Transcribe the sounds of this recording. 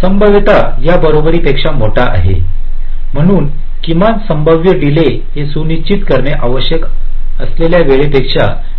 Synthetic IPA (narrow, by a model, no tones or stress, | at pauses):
səmbʱəʋit̪ajabəɾobɾiːpekʂamoʈaʔa̰ɦḛ | m̤əɽ̃uːn | kimansəmbʱəʋjəɖile | ɦesuniɕt͡ɕit̪kəɾmeʔaʋəɕjəkəsleljaʋeɭepekʂa